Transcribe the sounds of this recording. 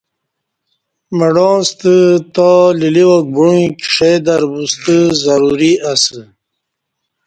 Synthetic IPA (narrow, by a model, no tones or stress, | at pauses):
maɖɔ̃ːst̪ət̪aliliwok̚buŋkʂejd̪aɾbust̪əzaɾuɾiasə